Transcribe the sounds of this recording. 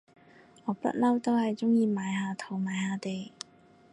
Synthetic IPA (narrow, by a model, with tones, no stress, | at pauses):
ŋɔː˨˧pɐ̰˥t̚lɐ˥wt̪o˥whɐ˨jt͡sʊ˥ŋjiː˨˧maː˨˧jhaː˨˧t̪ʰo˨˩wmaː˨˧jhaː˨˧t̪e˨j